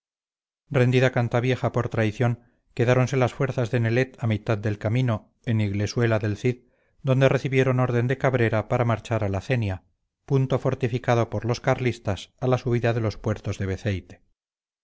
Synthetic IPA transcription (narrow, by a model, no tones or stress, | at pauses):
re̞nd̪iðakant̪aβje̞χapo̞ɾt̪ɾajθjo̞ŋ | ke̞ðaɾo̞nse̞lasfwe̞ɾθazðe̞ne̞le̞t̪amit̪aðd̪e̞lkamĩno̞ | e̞niɣle̞swe̞laðe̞lθið | d̪o̞nd̪ere̞θiβje̞ɾo̞no̞ɾðe̞nd̪e̞kaβɾe̞ɾapaɾamaɾt͡ʃaɾalaθe̞nja | punt̪ofo̞ɾt̪ifikaðo̞po̞ɾlo̞skaɾlist̪asalasuβ̞iðaðe̞lo̞spwe̞ɾt̪o̞zðe̞βe̞θejt̪e̥